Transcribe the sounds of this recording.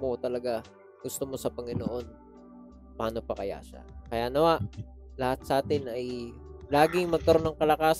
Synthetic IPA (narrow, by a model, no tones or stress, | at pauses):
mot̪ɐlɐɡa | ɡ̥ʊst̪omo̞sɐpɐŋɪnoʔo̞n | paːno̞pɐkɐ̰ja̰ːʃa̰kɐjaːnɐwaʔ | lɐhat̪̚sɐʔaːt̪ɪnɐjlaːɡɪŋmɐɡ̚kɐɾo̞nːɐŋkɐlɐkaːs